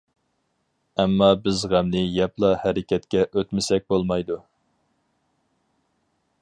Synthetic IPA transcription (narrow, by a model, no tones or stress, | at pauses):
ɛmːɑbɪzʁæmnɪjɛplˠɑhæɾɪkʲʰɛt̪kʲɛʔøt̪mɪsɛk̚ʲbolˠmɑjd̪u